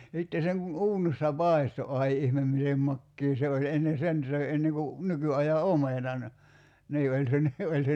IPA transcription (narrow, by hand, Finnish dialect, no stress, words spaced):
jɑ sitːe seŋ kun uːnisːɑ pɑˑi̞sto ɑi ihmem mitem mɑkːiː se olʲ enːe sen søi enːeŋ ku nykyɑjɑ omenɑn niː olʲ se ni olʲ se